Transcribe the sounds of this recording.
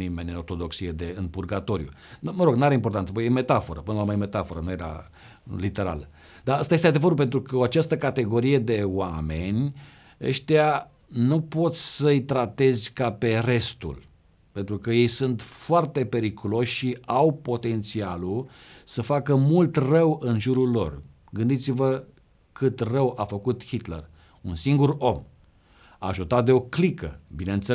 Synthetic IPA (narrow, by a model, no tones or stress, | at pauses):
nime̞nʲɨno̞rt̪od̪o̞ksijed̪e̞ɨnpurɡat̪o̞ɾjṵməɾo̞ɡnuaɾeimpo̞rt̪ant̪səpojeme̞t̪afo̞ɾəpɨnəloamajeme̞t̪afo̞ɾənuje̞ɾa̰ | lit̪e̞ɾa̰l | d̪aəst̪ajest̪ead̪evəɾupe̞nt̪ɾukəoat͡ʃast̪əkat̪e̞ɡo̞ɾije̞d̪e̞oame̞nʲ | ə̰ʃt̪ea | nupo̞t̪sʲsəjt̪ɾat̪e̞zʲkape̞re̞st̪ṵl | pe̞nt̪ɾukəje̞jsunt̪foart̪e̞pe̞ɾikulo̞ʃʲʃiʔawpo̞t̪e̞nt̪sialusəfakəmult̪rəwɨnʒuɾulːo̞̰r | ɡɨnd̪it̪sivə | kɨt̪rəwafəkut̪hit̪lḛr | unsiŋɡuɾo̞m | aːʒut̪at̪̚d̪e̞o̞klikə̰binənt̪se